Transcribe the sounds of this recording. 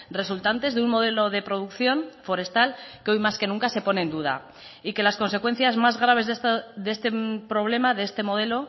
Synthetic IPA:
re̞sult̪ant̪e̞zðeunmo̞ð̞e̞lo̞ðe̞pɾo̞ðukθjo̞nfo̞ɾe̞st̪alkeo̞jmaske̞nũŋkase̞po̞ne̞ːnd̪uð̞a̰ | ike̞lasko̞nse̞kwe̞n̟θjazmazɣ̞ɾaβ̞e̞zeðe̞st̪e̞pɾo̞β̞le̞maðeest̪e̞mo̞ðe̞lo̞

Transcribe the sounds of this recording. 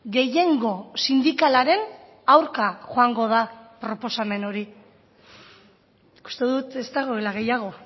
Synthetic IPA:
ɡe̞je̞ŋɡo̞sind̪ikalaɾe̞n | awɾkaʝoaŋɡo̞ð̞apɾo̞po̞same̞no̞ɾi | ku̥st̪e̞ðuðut̪e̞st̪aɣ̞oelaɣe̞jaɣ̞o̞

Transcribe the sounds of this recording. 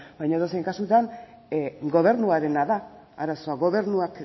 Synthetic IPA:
bajɲaeðosejŋkasut̪an | ɡo̞β̞e̞ɾnuaɾe̞naðaː | ɾaso̞aɣo̞βe̞ɾnuak

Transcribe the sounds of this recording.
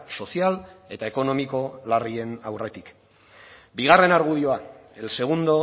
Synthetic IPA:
so̞siale̞t̪ae̞ko̞no̞miko̞larie̞nawre̞t̪ik | biɣ̞are̞naɾɣuðio̞ae̞lse̞ɣ̞und̪o̞

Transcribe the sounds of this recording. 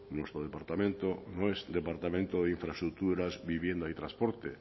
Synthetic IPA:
nost̪ɾoð̞epaɾt̪amẽnt̪onõŋɛsd̪epaɾt̪amẽnt̪oðeiɱfɾast̪ɾuk̚t̪uɾazbiβjend̪ait̪ɾãspoɾt̪e

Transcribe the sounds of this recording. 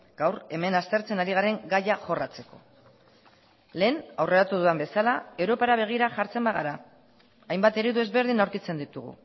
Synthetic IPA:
ɡ̥awre̞me̞nast̪e̞ɾt͡se̞naɾiɣaɾe̞ŋɡajaxo̞rat͡se̞ko̞̰ | le̞ːnawre̞ɾat̪uðuambe̞salae̞wɾo̞paɾaβ̞e̞ɣ̞iɾaʝaɾt͡se̞mbaɣaɾaː | jmbat̪e̞ɾiðue̞zβe̞ɾð̞inawɾkit͡se̞nd̪it̪uɣ̞ṵ

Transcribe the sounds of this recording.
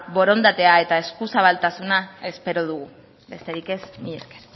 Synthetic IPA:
βo̞ɾo̞nd̪at̪e̞ae̞t̪ae̞skusaβalt̪asunae̞spe̞ɾo̞ðuɣu | be̞st̪e̞ɾike̞zmiʎeske̥ɾ

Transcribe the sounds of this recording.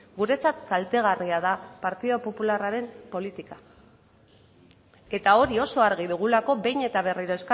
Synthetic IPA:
ɡuɾe̞t͡sat̪salt̪e̞ɣ̞ariað̞apaɾt̪iðo̞po̞pularaɾe̞mpo̞lit̪ika | e̞t̪ao̞ɾio̞so̞aɾɣiðuɣ̞ulako̞βe̞jɲe̞t̪aβ̞e̞riɾo̞e̞ska

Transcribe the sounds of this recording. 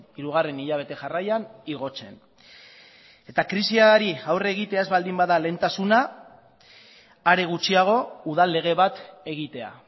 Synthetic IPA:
iɾuɣ̞are̞niʎaβ̞e̞t̪e̞ʝarajaniɣo̞t͡se̞n | e̞t̪akɾisiaɾiawreɣ̞it̪e̞aezβald̪imbaðale̞nt̪asuna | ɾe̞ɣ̞ut͡ʃiaɣ̞o̞uðalːe̞ɣ̞e̞β̞at̪e̞ɣit̪e̞a̰

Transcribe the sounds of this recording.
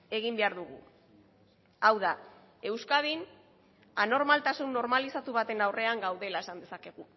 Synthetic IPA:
e̞ɣ̞imbe̞aɾðuɣ̞ṵ | awða | e̞wskaðin | ano̞ɾmalt̪asunːo̞ɾmalisat̪uβ̞at̪e̞nawre̞aŋɡawðe̞lae̞sand̪e̞sake̞ɣ̞u

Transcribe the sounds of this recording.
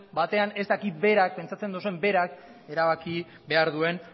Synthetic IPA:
bat̪e̞ane̞st̪akit̪̚be̞ɾak̚pe̞nt͡sat͡se̞nd̪os̬e̞mbe̞ɾak | e̞ɾaβ̞aki | be̞aɾðue̞n

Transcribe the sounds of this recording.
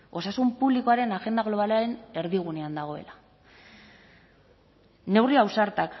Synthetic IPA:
o̞sasumpuβliko̞aɾe̞naʝe̞nd̪aɣ̞lo̞β̞alaɾe̞ne̞ɾðiɣ̞une̞and̪aɣ̞o̞e̞̰la | ne̞wriawsaɾt̪ak

